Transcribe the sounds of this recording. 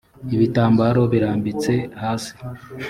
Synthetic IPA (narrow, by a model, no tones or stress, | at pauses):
iβitaːmbaɾo̞βiɾaːmbit͡se̞haːsi̥